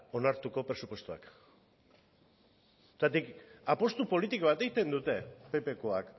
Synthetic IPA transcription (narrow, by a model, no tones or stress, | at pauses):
o̞naɾt̪uko̞pɾe̞supwe̞st̪ua̰k | t̪at̪ikapo̞st̪upo̞lit̪ikoβat̪e̞it̪e̞nd̪ut̪e̞pe̞pe̞ko̞ak